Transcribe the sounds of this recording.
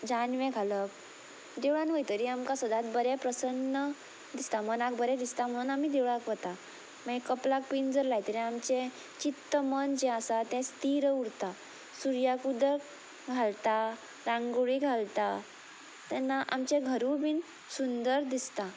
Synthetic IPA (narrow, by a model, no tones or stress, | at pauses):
d͡ʑanʋɛ̃ɡʱalək | d̪ewɭanʋəjt̪əɾiamkasəd̪ʱat̪̚bəɾɛpɾəsənːə | d̪ist̪amənak̚bəɾɛd̪ist̪am̤əɽ̃uːnamiːd̪ewɭakʋət̪a | maikəplak̚pind͡zəɾlajt̪əɾiamt͡ɕɛ̃ | t͡ɕit̪ːəmənd͡ʑɛ̃əsat̪ɛ̃st̪iɾuɽt̪a | suɾjakud̪ək | ɡʱalt̪a | ɾãŋɡuɭiɡʱalt̪a | t̪ɛnːaʔamt͡ɕɛɡʱəɾubin | sund̪əɾd̪ist̪a